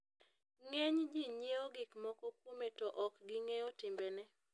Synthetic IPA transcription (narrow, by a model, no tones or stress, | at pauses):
ŋeɲd͡ʒiɲjeoɡɪkmɔkɔkwometɔʔɔkɡɪŋeotɪmbenɛ